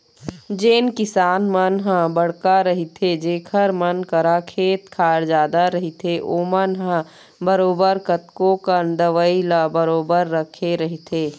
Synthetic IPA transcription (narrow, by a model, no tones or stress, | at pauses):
d͡ʒeːnkɪsaːnmənɦə̃bəɽkaɾɐɦit̪ʰed͡ʒeːkʰəɾmənkəɾakʰeːt̪̚kʰaːɾd͡ʒaːd̪aɾɐɦit̪ʰeʔoːmənɦə̃ | bəɾoːbəɾkət̪̚kõkənd̪əʋəilabəɾoːbəɾːəkʰeɾɐɦit̪ʰeː